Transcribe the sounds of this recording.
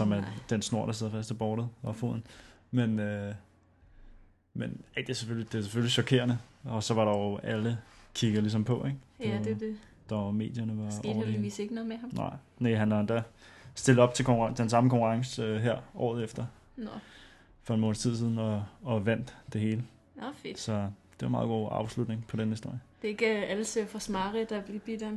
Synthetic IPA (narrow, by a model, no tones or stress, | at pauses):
sɒ̽mæd̥ensno̝ɐ̰ɾ̥ɑ̈seð̞̰ˠɐfæsd̥æb̥ɒːɾ̥ð̩ˠɒfo̝̰ð̰ˠn̩ | menø | menæd̥eæsefølid̥e̝æse̥føliɕɒ̽kʰe̝̰ɐnəɒ̽sɒ̽ʋɑ̈ɾɑ̈ʊæləkʰiɡ̥əðˠlis̬ɒ̽mpʰɒ̽ʔeɡ̥ | d̥ɑme̝̰ːd̥jɐnəʋɑɒʊɐ̥eḭseɡ̥nɔːðˠmehɑmnɑ̰̈ɪ̰ | neɦænʋɑnd̥æsd̥e̝ld̥ˠɒ̽b̥̚t͡sʰe̝lkʰɒŋkt͡sʰd̥ensɑ̈məkʰɒ̽ŋkʰuʁɑ̈ŋsəøɦæɐ̰ʔɒ̰ːð̞̩ˠefd̥ɐ | fɒenmɔ̰ːn̩st͡sʰiðˠsið̞ˠn̩ɒ̽ːʋæn̰d̥ːe̝ɦe̝ːlə | fesɒ̽d̥e̝ʋɑ̈mɑ̈ːðˠɡ̥o̝̰ːɑ̈ʊslud̥neŋpʰɒ̽denəhisd̥o̝ɐ̰jəd̥eeɡ̥əæləsefɒsmɑ̈ːʁid̥ɑb̥lib̥id̥em